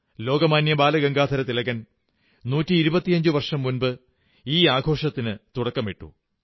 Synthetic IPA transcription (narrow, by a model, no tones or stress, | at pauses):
lo̞ːɡɐmaːnjɐbaːlɐɡɐŋɡaːd̪ʱɐɾɐt̪ilɐɣɐn | nuːtːiːɾubɐt̪ːijɐɲd͡ʑuʋɐrʂɐmːunbɨ | iːaːɡʱo̞ːʂɐt̪ːinɨt̪uɽɐkːɐmiʈːṵ